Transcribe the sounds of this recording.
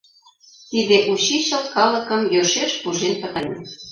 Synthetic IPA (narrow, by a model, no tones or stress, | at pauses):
t̪id̪eʔuɕiɕə̆lt̪kɑlə̆kə̆mjøʃeʃpuʒenpə̆t̪ɑne